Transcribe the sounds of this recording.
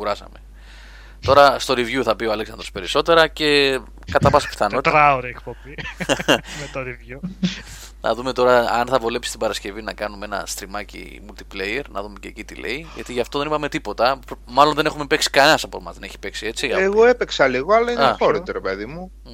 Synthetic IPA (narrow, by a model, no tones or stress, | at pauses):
uɾɐsɐ̰me̞ | t̪o̞ɾɐst̪o̞ɾivʝuθɐpioɐleksɐnd̪ɾo̞spe̞ɾiso̞t̪e̞ɾɐce̞ | kɐt̪ɐvɐspi̥θɐno̞t̪it̪ɾɐoɾiekpobi | met̪oɾivju | nʔɐ̰ðume̞t̪o̞ɾɐɐnθɐvo̞le̞psi̥st̪ibɐɾɐsce̞vinɐkɐnumeenɐ̰st̪ɾimɐcḭ | mult̪i̥plejeɾnɐ̰ðume̞cḛcit̪ile̞̰iʝɐ̰t̪iʝɐft̪o̞ðe̞nipɐme̞t̪ipo̞t̪ɐmɐlo̞nðe̞ne̞xume̞pe̞ksi̥kɐnenɐsɐpomɐ̰ðene̞çi̥pe̞ksie̞t͡siɐeɣo̞epeksɐliɣoɐlɐiɐfoɾit̪oɾepe̞ðimu